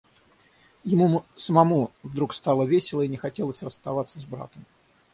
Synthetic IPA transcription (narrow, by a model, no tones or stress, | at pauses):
jɪmusəmɐmuvd̪ɾukst̪alˠəvʲesʲɪlˠəinʲɪxɐtʲe̞lˠəsʲrəst̪ɐvat̪sːəzbɾa̰t̪əm